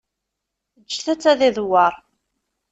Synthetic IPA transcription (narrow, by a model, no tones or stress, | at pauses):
əd͡ʒːθæt͡sːæðiðwɑɾˤ